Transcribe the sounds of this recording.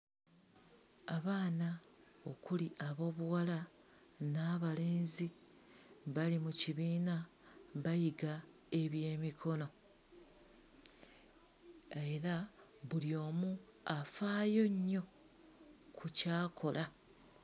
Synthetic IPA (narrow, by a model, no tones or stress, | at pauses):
aβaːna | o̞kuliʔaβo̞ːβuwala | naβale̞ːnzi | βalimuciβiːna | βajiɡa | e̞βje̞ːmikʰo̞no̞ | eɾaβuljo̞ːmu | afaːjo̞ɲːo̞ | kucaːkʰo̞lʔa